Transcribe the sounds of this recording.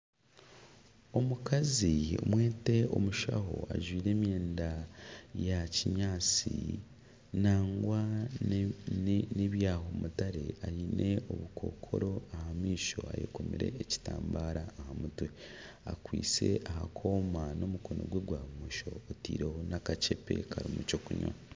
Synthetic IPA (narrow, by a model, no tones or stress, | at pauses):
o̞mukazio̰mwe̞ːte̞o̞muʃa̰ɦo̞aʒwiːɾe̞ːmjeːndajaciɲaːt͡si | naːŋɡwa | niβjaːho̞mutaɾe̞aɾinʔe̞o̞βukʰo̞̰ːkʰo̞̰ɾo̞ahamiːʃo̞a̰jḛkomiɾe̞ːci̥taːmbaɾaːhamutwe̞ | akwḭːt͡se̞̰ʔahakʰo̞ːmano̞muko̞no̰ɡweɡwaːβumuʃo̞ːtḭːɾe̞ho̞nakat͡ʃe̞pe̞̰kʰaɾimut͡ʃokuɲwa̰